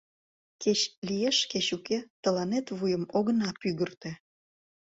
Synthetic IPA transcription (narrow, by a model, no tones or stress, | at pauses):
ket͡ɕlijeʃket͡ɕuket̪əlɑnet̪βujəmoɣənɑpyɣərt̪ĕ